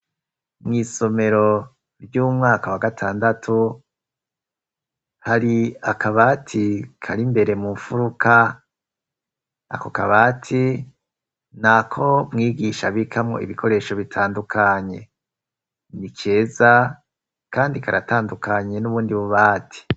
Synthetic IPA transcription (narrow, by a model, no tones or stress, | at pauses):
mŋiːso̞me̞ɾo̞ | bjuːmŋaːkawaɡatʰaːndatʰu | haɾiakaβaːtʰikʰaɾimbe̞ɾe̞muɱfuɾukʰa | a̰kokaβaːtʰi | nakʰo̞mŋiːɡiʃaβikʰamŋo̞̰ḭβikʰo̞ɾe̞ːʃo̞βitʰaːndukʰaɲe̞ | nikʰe̞ːza | kaːndikaɾataːndukʰaɲe̞nuβuːndiβuβaːtʰi̥